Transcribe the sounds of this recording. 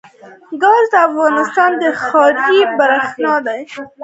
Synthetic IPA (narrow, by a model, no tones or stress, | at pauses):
ɡɑzd̪əafɣɑnɪst̪ɑnd̪əxɑɾd͡ʒibaɾaxnɑd̪aj